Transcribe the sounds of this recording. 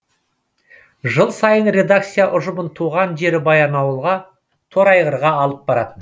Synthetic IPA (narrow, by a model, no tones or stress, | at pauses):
ʒəlˠsɑjənɾʲe̞d̪ak̚t̪sijaʔʊʒəmənt̪ʰuʁɑnʒe̞ɾɪbɑjɑnɑwəlˠʁɑ | t̪ʰo̞ɾɑjʁəɾʁɑːlˠəp̚bɑɾɑ̰t̪ən